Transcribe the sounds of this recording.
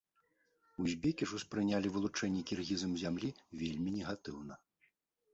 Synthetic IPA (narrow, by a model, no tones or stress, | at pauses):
uzʲbʲekʲiʂuspɾɨnʲalʲivɨlˠut͡ʂɛnʲːɛkʲirɣʲizɐmzʲamlʲivʲelʲmʲinʲɛɣat̪ɨwnɐ